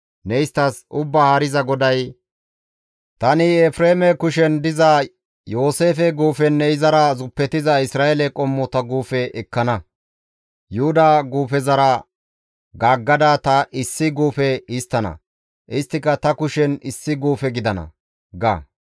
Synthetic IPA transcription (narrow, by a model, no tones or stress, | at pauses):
nɛɪst̪ɐsʔʊbːaːhɐɾɪzɐɡɔd̪ɐj | t̪ɐnɪɛfɾeːmɛkʊʃɛnd̪ɪzɐ | jo̞ːse̞ːfɛɡuːfɛnːɛɪzɐɾɐzʊpːɛt̪ɪzɐɪsɾaːɛlɛkʼɔmːɔt̪ɐɡuːfɛʔɛkːɐnɐ | jʊhʊd̪ɐɡuːfɛzɐɾɐ | ɡaːɡːɐd̪at̪ɐʔɪsːɪɡuːfɛɪst̪ːɐnɐ̰ | ʔɪst̪ːɪkːɐt̪ɐkʊʃɛnɪsːɪɡuːfɛɡɪd̪ɐnɐ̰ | ɡɐ̰